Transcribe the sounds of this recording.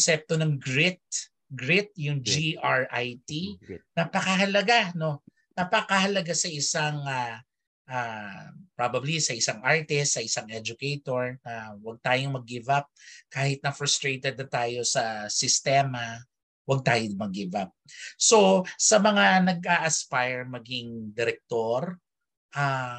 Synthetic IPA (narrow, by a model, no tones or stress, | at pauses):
sɛp̚t̪onɐŋɡɹɪt̪̚ | ɡɹɪt̪̚jʊŋd͡ʒiʔaɹʔajt̪inɐpɐkɐɦɐlɐɡano̞ | nɐpakɐhɐlɐɡasɐʔɪsaŋa | ʔaːpɹabɐblisɐʔɪsaŋʔaɹt̪ɛst̪sɐʔɪsaŋʔɛd͡ʒʊkɛjt̪o̞ɹnɐwɐɡ̚t̪aːjoŋmɐɡːɪvap̚kaːhɪt̪̚nɐfɾʊst̪ɾejt̪ɛd̪̚nɐt̪aːjo̞sɐsɪst̪ɛːmɐ | wɐɡ̚t̪aːjomɐɡːɪvap̚so̞sɐmɐŋanɐɡ̚ʔaʔɐspajɹmɐɡɪŋd̪ɛɾɛk̚t̪oɾ | ʔa